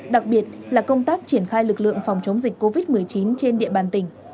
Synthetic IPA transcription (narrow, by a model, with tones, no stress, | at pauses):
ɗa˨˩k̚ɓi˨˩ət̚laː˨˩kə˧wŋ͡mt̪aː˦˥k̚t͡ɕi˧˩ənxaː˧jlɨ˨˩k̚lɨ̰˧˨əŋfa˨˩wŋ͡mt͡ɕə˨˦wŋ͡mzi˨˩k̟ko˧vi˦˥t̚mɨ˨˩əjt͡ɕi˨˦nt͡ɕe˧nɗḭ˧˨əɓaː˨˩nt̪ï˧˩ŋ̟